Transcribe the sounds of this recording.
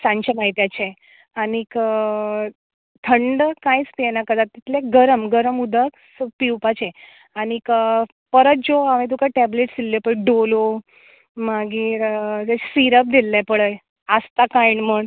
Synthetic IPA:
sãɲt͡ɕamaɦit̪jat͡ɕe | anikə | t̪ʰəɳɖəkãjt͡sp̪ienakəd̪at̪ːit̪leɡəɾəmɡəɾəmud̪ʱəksəpiwpat͡ɕe | anik | pəɾət̪̚d͡zoaʋẽt̪̬ukaʈɛbleʈsd̪ilːepəɭɖolo | maɡiːɾt̪at͡ɕsiɾəp̚d̪ilːɛpəɭəj | ast̪akaiɳməɳ

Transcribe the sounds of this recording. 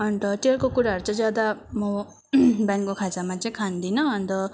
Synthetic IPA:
ʌnt̪ʌʈelkokuɾaɦʌɾut͡sʌĩd͡zjad̪amʌ | bjankokʰad͡zamat͡sʌĩkʰand̪inʌʌnt̪ʌ

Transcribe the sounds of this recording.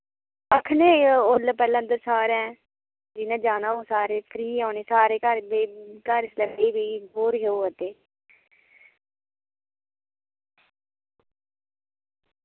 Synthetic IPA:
əkʰneːolpɛːlãːənd̪əɾsaːɾɛ̃ː | d͡ʒɪnãːd͡ʒaːnaːõːsaːɾeːpʰɾiːaːneːsaːɾeːkəɾbekəɾsləɡeːbiːɦoːɾɦeoːət̪eː

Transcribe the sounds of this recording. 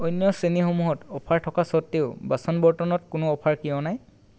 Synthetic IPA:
ojnjɔsenixomuɦɔtɔpʰaɹtʰɔkasɔtːeʊbasɔnbɔɹtɔnɔtkʊnʊɔpʰaɹkijɔ̃naj

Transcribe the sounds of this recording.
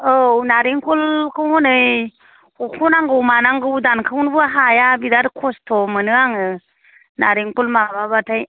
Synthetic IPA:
ɯwnaɾiŋkʰulkʰɯwhɔnɯj | kukʰunaŋɡɯwmanaŋɡɯwdankʰɯwnbɯaɦajabidaɾkʰɔstʰɔmənɯaŋɯ | naɾiŋkulmaβabatʰaj

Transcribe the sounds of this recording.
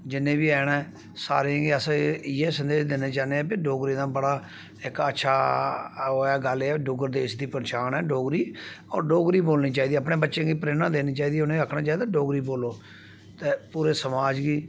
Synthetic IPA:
d͡ʒɪnːẽːbiːɛːnɛː | sa̰ːɾẽɡeəsjeːsənd̪eːʃd̪eneːt͡ʃaːneːɛ̃ːpɪɖoːɡɾiːd̪ãːbəɽaː | ɪkətːʃʰaː | ɛːɡəleɛɖʊɡəɾd̪eːʃd̪iːpəɾt͡ʃaːnɛːɖoːɡɾiːɔːɾɖoːɡɾiːboːlniːt͡ʃaːiːd̪iːəpɽẽːbətːʃẽːɡiːpɾeːnãːd̪eːnĩːt͡ʃaːiːd̪iːʊnẽəkʰnãːt͡ʃaːiːd̪aːɖoːɡɾiːboːloː | t̪eːpuːɾeːsəmaːd͡ʒɡiː

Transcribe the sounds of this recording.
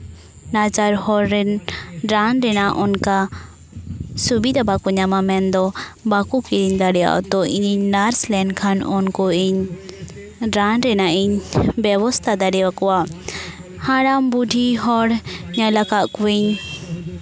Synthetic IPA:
nat͡ʃaɾhɔɾːɛnɾanɾɛnaʔɔnka | subid̪abakuɲamamɛnd̪ɔbakukiɾiɲd̪aɽɛja̰ʔɔ̰t̪ɔiɲinaɾslɛɳɖkʰanɔnkɔiɲ | ɾanɾɛnaʔiɲbɛwɔst̪ʰad̪aɖɛwakɔwa | hãɽambuɖʱiɦɔɽɲalakaʔkuwiɲ

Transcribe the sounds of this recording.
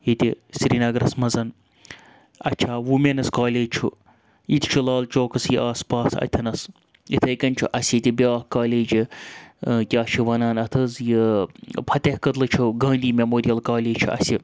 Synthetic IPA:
jit̪ʲisɾinɐɡɾɐsmɐzɐn | ɐt͡ʃʰaːʋumenɐskaːleːd͡ʒt͡ʃʰu | jit̪ʲʰt͡ʃʰulaːlt͡ʃoːkɐsjiʔaːspaːsɐ̰t̪ʲʰɐnɐs | jḭt̪ʰɐjkɐnt͡ʃʰuʔɐsʲit̪ʲibʲjaːhkaːleːd͡ʒi | kʲaːʃʰiʋɐnaːnɐt̪ʰɨzjipʰɐt̪ʲehkɐt̪lɨt͡ʃʰuɡɐ̃ːnd̪iːmʲemoːɾijɐlkaːleːt͡ʃʰuɐ̰si

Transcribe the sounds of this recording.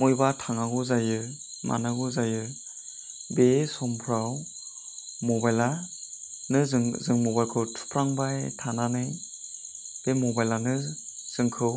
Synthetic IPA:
mujbatʰaŋaɡuzajɯ | ma̰naɡuzajɯ | besɔmpʰɾaw | mɔbajla | nɯzzɯŋmɔbajlkʰɯwtʰu̥pʰɾaŋbajtʰananɯj | b̥emɔbajlanɯ | z̥ɯŋkʰɯw

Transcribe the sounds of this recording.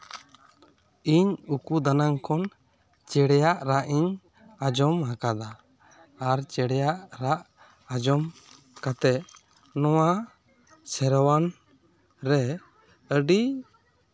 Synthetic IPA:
iɲukud̪anaŋkɔn | t͡ʃɛɽɛjaʔɾaʔiɲ | ad͡ʒɔmɦakad̪aː | ɾt͡ʃɛɽɛjaʔɾaʔ | ad͡ʒɔm | kat̪ɛʔ | nɔwa | sɛɾɔwan | ɾɛ | əɖi

